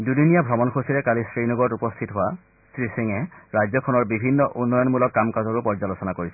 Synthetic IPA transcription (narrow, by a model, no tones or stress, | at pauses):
dudinijabʱɹɔmɔnkʰosiɹɛkalisɹinɔɡɔɹɔtupɔstʰitɦʊwa | stɹisiŋɛɹajzɔkʰɔnɔɹbibʱinːɔʔunːɔjɔnmulɔkːamkazɔɹʊpɔɹzalosɔnakoɹisɛ